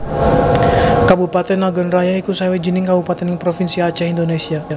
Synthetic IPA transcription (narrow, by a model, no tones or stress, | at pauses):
kabupat̪ɛnaɡɔnrajaikusajawed͡ʒinɪŋkabupat̪ɛniŋpɾofinsiat͡ʃaindonesiaa